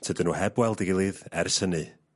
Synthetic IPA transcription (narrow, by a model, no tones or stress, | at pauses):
tʰədənuːhɛbwɛlˠdiɡɪlˠɨðɛrsənɨ